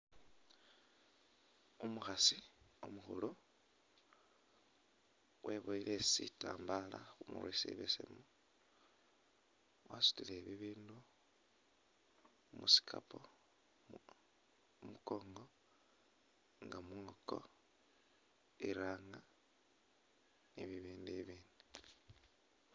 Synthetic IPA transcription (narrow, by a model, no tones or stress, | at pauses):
umuxasiomuxulo | wʔeβoilʔesitaːmbalaxumṵɾwisḭβesḛmo | wasu̥tileβiβiːndu | musi̥kʰapʰo | muko̞ːŋɡo̞ | ŋɡamuŋoko̞̰ | iɾaŋa | niβiβiːndiβiːndi